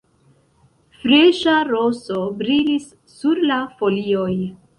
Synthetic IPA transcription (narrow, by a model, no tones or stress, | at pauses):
fɾeʃaɾosobɾilisː | uɾlafo̞lio̞j